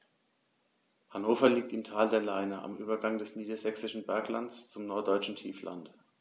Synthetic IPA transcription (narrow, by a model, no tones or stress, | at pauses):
hanoːfɐliːk̚tɪmtʰaːldeːɐlaɪnəʔa̰mʔyːbɐɡaŋdɛsniːdɐzɛksɪʃn̩bɛɐklantt͡st͡sʊmnɔɐt̚d̥ɔʏt͡ʃn̩tʰiːflʔa̰nt